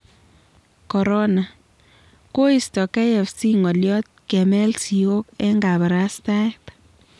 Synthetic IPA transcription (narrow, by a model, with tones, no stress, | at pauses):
kɔ˨ɾɔ˦na˨ | ko˦i˨stɔ˨kɛ˦jɛ˨fsi˦ŋɔ˨ljɔ˦t̚kɛ˨mɛ˦lsi˨o˦kɛ˦ŋɡa˨ba˨ɾa˦sta˦ɛ˦p